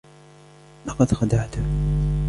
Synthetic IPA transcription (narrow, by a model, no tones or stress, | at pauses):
lɑqɑd̪xad̪aʕt̪ʊh